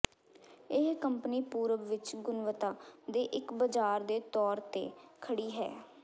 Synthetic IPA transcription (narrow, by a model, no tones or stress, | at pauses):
ɪɦkəmpniːpuːɾəʋʋɪt͡ʃɡʊnʋət̪aːd̪eːʔɪkbəd͡ʒaːɾd̪eːt̪ɔːɾt̪ḛːkʰəɽiːɦɛ̰ː